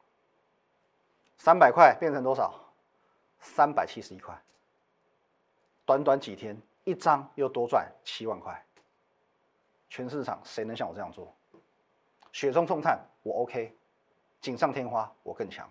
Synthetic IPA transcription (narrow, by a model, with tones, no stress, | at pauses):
sa˦npa˨˩ɪkʰwa˥˧ɪpjɛ˥˩nt͡sʰɤ˧˥ŋt̪wɔ˥ʂɑ̰˨˩˦ʊ | sa˦˥npa˨˩ɪt͡ɕʰi˦ʂɻ̩˧i˧˥kʰwa̰˥˩ɪ | t̪wa˧˦nt̪̬wa˨˦˥nt͡ɕi˨˩t̪ʰjɛ˦˥n | i˥˩t͡sɑ˦˥ŋjo˥˩ʊt̪wɔ˥t͡swa̰˥˩nt͡ɕʰi˦˥wa˥˧nkʰwa̰˥˩ɪ | t͡ɕʰɥɛ˧˥nsɻ̩˥˩ʈ͡ʂʰɑ̰˨˩˦ŋsʂe˧˥ɪnə˧˦ŋɕjɑ˥˩ŋwɔ˨˩ɤ˧jɑ˥˧ŋt͡swɔ̰˥˩ | ɕɥɛ˨˩t͡sʊ˥ŋsʰʊ˥˧ŋt̪ʰa˥˩nwɔ˨˩o˦ʊkʰe˥˦ɪ | t͡ɕi˨˩nʂɑ˥˨ŋt̪ʰjɛ˥nxwa˥wɔ˨˩kə˥˩ŋt͡ɕʰjɑ̰˧˦ŋ